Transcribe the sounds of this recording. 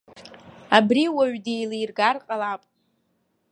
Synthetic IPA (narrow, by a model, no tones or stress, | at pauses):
abriwaɥdejlijrɡarqʼalapʼ